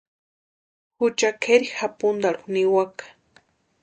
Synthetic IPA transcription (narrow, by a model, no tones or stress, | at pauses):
xʊt͡ʃakʰeɾixapʊnd̪aɾuxniwakḁ